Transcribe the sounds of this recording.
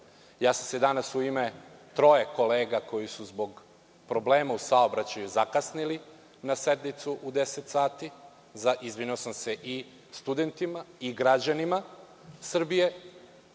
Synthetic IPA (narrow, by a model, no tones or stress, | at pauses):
jaːsamse̞d̪anasuimet̪ɾo̞jeko̞leːɡako̞jisuzbo̞ɡ | pɾo̞bleːmausaobɾat͡ɕajuzakasnili | nase̞d̪nit̪suʔud̪e̞set̪saːt̪i | zaizʋiniosamse̞ʔi | st̪ud̪e̞nt̪imaiɡɾad͡ʑanima | sr̩bije̞